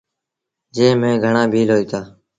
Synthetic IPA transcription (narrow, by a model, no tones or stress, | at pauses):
d͡ʒẽːmẽːɡʱəɳaːbʱiːlɦoːiːt̪aː